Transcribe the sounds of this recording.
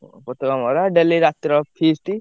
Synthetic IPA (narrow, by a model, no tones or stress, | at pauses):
pɔt̪ikamɔɾaɖeliɾat̪ɾɔpʰisʈi